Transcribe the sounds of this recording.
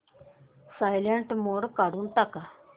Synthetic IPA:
saːjleɳʈmoːɽkaɽunt̪aka

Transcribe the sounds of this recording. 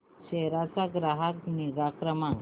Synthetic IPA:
ɕeɾat͡saɡɾaɦakniɾakɾəmãŋ

